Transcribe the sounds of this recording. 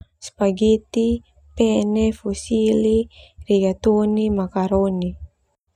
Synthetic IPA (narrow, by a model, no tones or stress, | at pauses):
spaɡit̪i | pɛnɛfusiliriɡat̪unimakaɾoni